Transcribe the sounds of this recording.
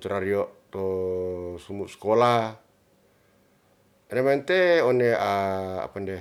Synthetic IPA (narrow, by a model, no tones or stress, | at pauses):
t̪uɾaɾioʔt̪o | sumuʔskola | nemaint̪eonea̰ːpande